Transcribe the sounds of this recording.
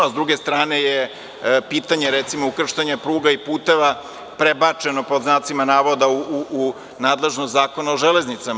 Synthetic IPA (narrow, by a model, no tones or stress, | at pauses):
azd̪ɾuɡe̞st̪ɾaːne̞je | piːt̪aɲe̞ɾet̪simoukr̩ʃt̪aɲapɾuːɡaipuːt̪e̞ʋa | pɾebat͡ʃe̞no̞po̞d̪znaːt̪simanaːʋo̞d̪auu | naːd̪le̞ʒnost̪zaːko̞naoʒele̞znit̪sam